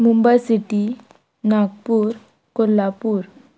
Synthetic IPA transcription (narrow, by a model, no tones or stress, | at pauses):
mumbajsiʈi | naɡ̚puːɾ | kolːapuːɾ